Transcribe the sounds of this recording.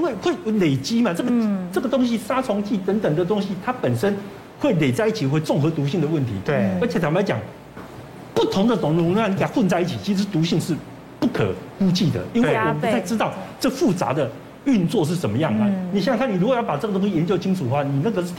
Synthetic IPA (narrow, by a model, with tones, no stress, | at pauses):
i˥nwe˥˩ɪxwe˥˩ɪ˧le˨˩ɪt͡ɕi˦˥ma˨ʈ͡ʂɤ˥˩ɡəʈ͡ʂə˥˩ɡə˩t̪ʊ˥ŋɕ̬i˦ʂa˥t͡sʰʊ˧˥ŋt͡ɕi˥˩t̪ə˧˦˥nt̪ə˨˩ŋd̪ə˩t̪ʊ˥ŋɕi˦t̪ʰa˥pə˨˩nʂə˦˥n | xwe˥˩ɪle˨˩ɪt͡sa˥˧ɪi˥˩t͡ɕʰi˨˩xwe˥˧ɪt͡sʊ˥˩ŋxɤ˧˥t̪u˧˥ɕi˥˩ŋd̪ə˩wə˥˩nt̪ʰi˧˦˥ə˧˥t͡ɕʰjt͡sʰa˧˥m˨la˧˥ɪt͡ɕjɑ̰˨˩ŋ | pu˥˩t̪ʰʊ˧˥ŋd̪ə˨t̪ʊ˨˩ŋlŋn˥˩ni˧˥ka˨˩˦xwə˥˧nt͡sa˥˧ɪi˥˩t͡ɕʰi˨˩t͡ɕʰi˧˥ʂ̬̩˧˥t̪u˧˥ɕi˥˧ŋʂɻ̩˥˧ | pu˥˩kʰɤ̰˨˩ku˥t͡ɕi˥˩d̪ə̰˩i˥nwe˥˩wɔ˨p̪ʰa˥˩ɪʈ͡ʂɻ̩˥t̪ɑ˥˩ʊʈ͡ʂɤ˥˩ə˩fu˥˩t͡sa̰˧˥d̪ə˨ | y˥˧nt͡swɔ˥˧ʂ̬ɻ̩˥˩ʂə˧˩nmə˦jɑ˥˩ŋa˨˦ni˨ɕjŋkʰa˥˩ni˨˩ɻu˧˥kwjɑ˥˩pa˨˩ʈ͡ʂə˥˩ɡə˩t̪ʊ˥ŋɕi˥˩jɛ˧˦nt͡ɕjo˥˧t͡ɕʰi˥ŋʈ͡ʂʰu˨˩d̪ə˦xwa˥˩ni˨˩nə˥˩ɡə˩˥